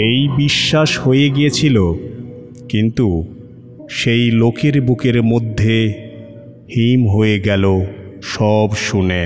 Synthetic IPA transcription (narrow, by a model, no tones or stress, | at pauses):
ejbiʃːaʃhojeɡijet͡ɕʰilo | kint̪u | ʃejlokeɾbukeɾmod̪ʱːe | himɦoeɡɛloʃɔbʃune